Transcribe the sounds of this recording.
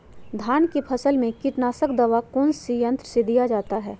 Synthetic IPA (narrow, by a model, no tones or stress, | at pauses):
d̪ʱaːnkepʰɐsəlmẽkɪʈnaːsəkd̪ɐʋakoːnsijə̃nt̪ɾəsed̪ijad͡ʒaːt̪aɦɛː